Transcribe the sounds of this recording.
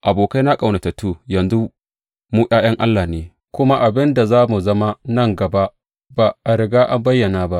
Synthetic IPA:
ʔa˨boː˨ka˦jna˦kʼa˨wnɐ˨ta˨tuː˦˨jɐ˨nzu˦ | muː˦ʔʲaː˦j̰ɐ˦ŋʔa˦lːaː˨neː˨ | kʷʊ˦ma˦ʔa˨bɪ˦nda˨zaː˦mu˨zɐ˦ma˦nɐ˦˨ŋɡɐ˨ba˦ʔ | ba˨ʔa˨ɾɪ˨ɡaː˦ʔa˦mbɐ˦jːɐ˨naː˨ba˦ʔ

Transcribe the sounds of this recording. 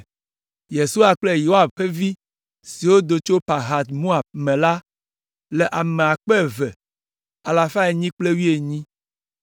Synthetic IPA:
je˨su˦a˨k͡ple˦ji˨o˦a˦bɸe˦vi˦ | si˨wo˦d̪o˨t͡ʃo˦pa˨ɦa˨t̪mo˦a˨b̚mɛ̃˨la˦ | le˨ʔa˨me˨a˨k͡pe˦˨vɛ˨ | a˨la˨fa˦e˨ɲĩ˦k͡ple˦wi˦e˨ɲĩ˦

